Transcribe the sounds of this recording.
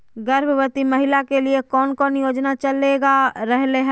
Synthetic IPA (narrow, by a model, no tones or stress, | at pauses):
ɡɐɾbʱəʋət̪imɐɦɪlakeliekɔːnkɔːnjoːd͡ʒnat͡ʃɐleɡaɾɛɦleɦɛ̃ː